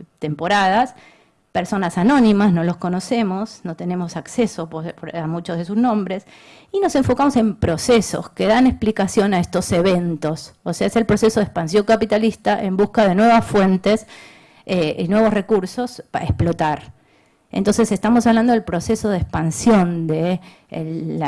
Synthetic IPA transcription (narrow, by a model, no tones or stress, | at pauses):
t̪e̞mpo̞ɾaðas | peɾso̞nasano̞nĩmasno̞losko̞no̞se̞mo̞sno̞t̪e̞ne̞mo̞sakseso̞pɾamut͡ʃozð̞esuznõ̞mbɾe̞s | ino̞se̞ɱfo̞kamosẽ̞mpɾo̞seso̞̰skeðanesplikasjo̞naest̪o̞seβent̪ososeaese̞lpɾo̞se̞soðespans̬jo̞ŋkapit̪alist̪aʔe̞mbuskaðe̞nwe̞βasfwe̞nt̪es | einwe̞β̞o̞sre̞kuɾso̞spaehsplo̞t̪aɾ | ḛnt̪o̞nse̞se̞st̪amosaβland̪oðelpɾo̞seso̞ðespansjo̞nd̪e